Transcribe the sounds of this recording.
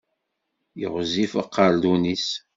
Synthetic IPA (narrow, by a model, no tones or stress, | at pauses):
jə̰ʁzifaqːɑɾd̪unis